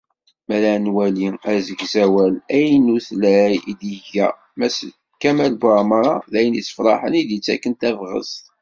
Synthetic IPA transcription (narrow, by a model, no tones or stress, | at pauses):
mæɾænwæliæzəɡzæwælæjnuθlæjid̪iʝæ | mæs | kæmælbɑɾˤmɑɾˤɑðæjənit͡sːə̥fɾˤɑħənid̪jət͡sːækːənt̪ævʁə̰zt̪